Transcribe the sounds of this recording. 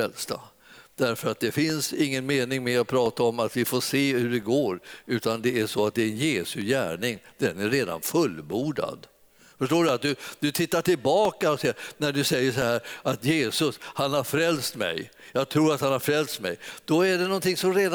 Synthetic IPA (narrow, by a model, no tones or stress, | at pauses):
ɛlst̪a̰ | d̪̥æɾfœɾat̪̚d̪ɛfɪnsɪŋːənmeːnɪŋmɛɔpʰɾɑːt̪aɔmat̪vɪfoːseːhʉɖɛɡoːɾʉ̟ːt̪and̪ɛæʂɔat̪̚d̪ɛɛnjeːsɵjæ̰ːɳɪŋd̪̥ɛnæɾɾeːd̪a̰nfɵlbuːɖa̰d̪ | fœʂʈoːɖɵat̪̚d̪ɵd̪ɵt̪ʰɪt̪ːaʈɪlbɑːkaɔsɛənæɖɵsɛjːəʂɔhæːɾat̪jeːsɵshanhaɾfɾɛlst̪mɛ̰jjɑːɡt̪ʰɾuːɾat̪hanhaɾfɾɛlst̪mɛ̰jd̪̥ɔæɖɛnɔnt̪ɪŋsɔmɾeːd̪